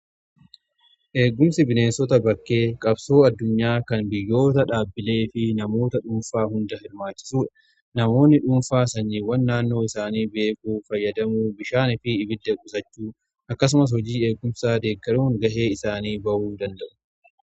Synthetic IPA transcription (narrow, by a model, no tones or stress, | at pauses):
ʔeːɡːʊmsɪbɪne̞ːnsɔt̪ɐbɐkːe̞ːkʼɐbso̞ːɐd̪ːʊɲːaːkɐnbɪjːo̞ːt̪ɐᶑaːbːɪle̞ːfɪnɐmo̞ːt̪ɐᶑʊnfaːhʊnd̪ɐhɪɾmaːt͡ʃːɪ̥suːᶑɐ̥ | nɐmo̞ːnːɪᶑʊnfaːsɐɲːiːwɐnːaːnːo̞ːɪsaːniːbe̞ːkuːfɐjːɐd̪ɐmuːbɪʃaːnɪfɪːbɪd̪ːɛkʼʊsɐt͡ʃːuː | ʔɐkːɐs̬ʊmɐs̬hɔd͡ʒiːe̞ːɡːʊmsaːd̪e̞ːkːɐɾuːŋɡɐhe̞ːɪsaːniːbɐʔuːd̪ɐnd̪ɐʔʊ̥